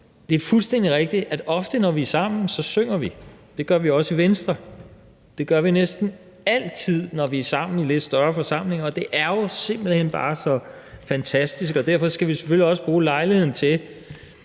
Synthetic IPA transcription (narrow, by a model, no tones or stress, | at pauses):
d̥e̝æɐfulsd̥en̰d̥iʁɛɡ̥̚d̥i̥æd̥ɒ̽fd̥ənɒʋiæsɑ̈m̰n̩sɒ̽søŋ̰ɐʋid̥e̝ɡ̥ɶɐʋiɒ̽səiʋensd̥ʁɐ | d̥e̝ɡ̥ɶɐʋinesd̥n̩ | æl̰t͡sʰið̞̰ˠnɒʋiæɐsɑ̈m̰n̩ile̝d̥sd̥ɶɐfɒ̽sɑ̈m̰le̝ŋɐɒ̽d̥e̝ʔæɐjo̝se̝m̰b̥l̩henb̥ɑ̰̈ːsɒ̽ | fænt͡sʰæsd̥is̬ɡ̥ɒ̽d̥æɐ̰fɒ̽sɡ̥æʋise̥føl̰ːiɒ̽səb̥ʁuːlɑ̈ɪlihe̝ð̰ˠn̩t͡sʰe̝